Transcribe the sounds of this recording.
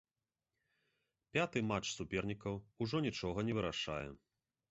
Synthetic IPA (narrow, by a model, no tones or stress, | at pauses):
pʲat̪ɨmat͡ʂsupʲɛrnʲikɐwuʐɔnʲit͡ʂɔɣɐnʲɛvɨɾaʂa̰jɛ̰